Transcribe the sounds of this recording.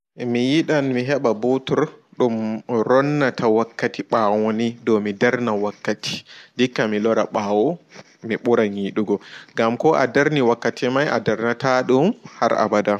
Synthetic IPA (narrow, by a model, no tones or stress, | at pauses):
mijiɗanmiɦɛɓabotuɾɗumɾɔnːatʰawakːatiɓawonidɔmidaɾnawakːatʰi̥dikːamilɔɾaɓaːwɔ | miɓuɾaniɗuɡɔɡamkɔʔadaɾniwakːatimajʔa̰daɾnataɗumha̰ɾa̰bada